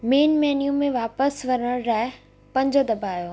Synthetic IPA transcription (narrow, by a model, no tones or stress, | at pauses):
meːnmeːnjũmẽʋaːpəsʋɐɾəəɽɾaːɪ | pɐ̃ɲd͡ʑod̪ɐbʱaːjoː